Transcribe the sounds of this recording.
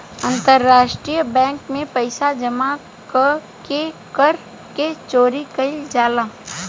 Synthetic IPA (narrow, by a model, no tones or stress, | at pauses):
ɐ̃nt̪əɾːaːʃʈɾijəbɛ̃ːŋkmẽpəɪsad͡ʒɐma | kəkekəɾ | ket͡ʃoːɾikɐɪld͡ʒaːlaː